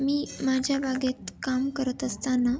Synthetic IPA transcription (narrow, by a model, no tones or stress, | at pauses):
miːmad͡ʑʱjabʱaɡet̪kamkəɾət̪əst̪ana